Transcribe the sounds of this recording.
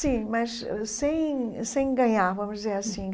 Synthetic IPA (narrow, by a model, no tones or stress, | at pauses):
sĩmɐʃ | sẽj̃sẽj̃ɡɐ̃ɲaɾvɐmʊʒd̪izeɾɐsĩ